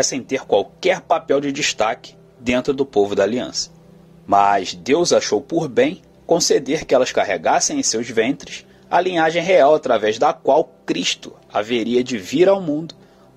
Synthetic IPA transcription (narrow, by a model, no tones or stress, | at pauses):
ɛsẽj̃t̪eɾkwawkɛɾpapɛwd͡ʒɪd͡ʒiʃt̪akɪ̥ | d̪ẽnt̪ɾʊd̪ʊpovʊd̪aːliɐ̰̃sɐ̥ | mazd̪ewzaʃowpʊɾbẽj̃ | kõsed̪eɾkɪɛlɐʃkaɦeɡasẽj̃ẽj̃sewzvẽnt̪ɾɪʃ | ɐ̰lĩɲaʒẽj̃ɦeawat̪ɾavɛʒd̪ɐkwawkɾiʃt̪ʊ̰ | a̰veɾiɐd͡ʒɪviɾawmũnd̪ʊ